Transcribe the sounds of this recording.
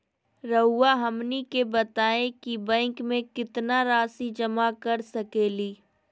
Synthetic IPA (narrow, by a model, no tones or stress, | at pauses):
ɾɐɦʊːaɦɐmnikebɐt̪aːẽkibɛ̃ːŋkmẽkɪt̪naɾaːsid͡ʒɐmakɐɾsɐkeːliː